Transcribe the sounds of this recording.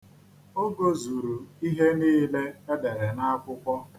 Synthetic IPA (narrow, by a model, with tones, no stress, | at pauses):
o˦ɡo˦zu˨ɾu˨i˦ɦe˦niː˦le˦e˦de˨ɾe˨na˦a˦kʷʊ˦kʷɔ˦